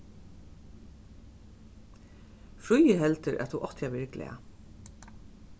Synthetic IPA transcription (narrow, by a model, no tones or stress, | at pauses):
fɾujəɦɛlt̪ɪɾʔa̰tθuʔɔht̪jaʋɪɹklɛ̰a̰